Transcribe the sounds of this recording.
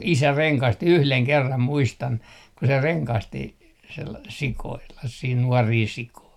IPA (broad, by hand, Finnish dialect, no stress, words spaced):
isæ reŋkɑsti yhleŋ kerːɑm muistɑn ku se reŋkɑsti sel sikoilːɑh siːn nuɔriː sikoi